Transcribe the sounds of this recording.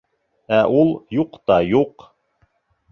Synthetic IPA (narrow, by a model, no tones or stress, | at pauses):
æʔulˠjuqt̪ɑjuq